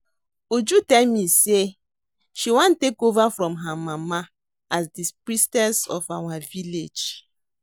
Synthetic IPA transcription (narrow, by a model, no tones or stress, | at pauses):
ud͡ʒutɛlmise | ʃiwãntekovafɾɔ̃mɦamama | asdipɾistɛlsɔfawaviled͡ʒ